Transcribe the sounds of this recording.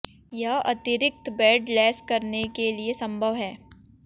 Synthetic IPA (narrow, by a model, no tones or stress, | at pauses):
jɐɦɐt̪ɪɾɪk̚t̪bɛːɖlɛːskɐɾnekeliesɐ̃mbʱəʋɦɛː